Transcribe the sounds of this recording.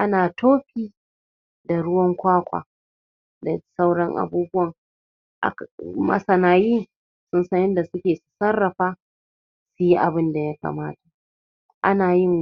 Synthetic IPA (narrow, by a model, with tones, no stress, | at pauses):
ʔa˦naː˨tʰoː˦ɸiː˦ | da˨ɽʊ˦wɐ˦ŋkʷaː˦kʷa̰ː˨ | da˨sa˦wɽɐ˦ŋʔa̰˨buː˦bʊ˦wɐ˨ŋ | ʔa̰˨kmɐ̰˦sɐ˨naː˨ji˦ŋ | sʊ˦nsɐ˦ŋʔɪ˦nda˨sʊ˦kʲeː˨su̥˨sɐ˦rːɐ˨ɸaː˦ | su˨ji˦ʔa˨bɪ˦nda˨ja˦ka̰ː˨maː˦tḁ˨ | ʔa̰˦naː˨jɪ˦ŋ